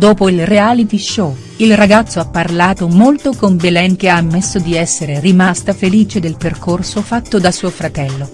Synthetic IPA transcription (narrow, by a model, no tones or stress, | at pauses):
d̪oːpoilreaːlit̪iʃːo | ilraɡat̪sːoapːarlaːt̪omolt̪okombelɛŋk̟eamːesːod̪iɛsːeɾerimast̪afeliːt͡ʃed̪elperkorsofat̪ːod̪asuːofɾat̪ɛlːo